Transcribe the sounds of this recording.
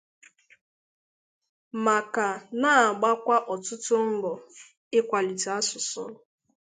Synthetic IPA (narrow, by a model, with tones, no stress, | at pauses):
ma˨ka˨na˦˨ɡ͡ba˦kʷa˦ʔɔ˨tʊ˦tʊ˦m̩˦ɡ͡bɔ˨ | ɪ˦kʷa˨li˨ti˨a˦sʊ˨sʊ̰˦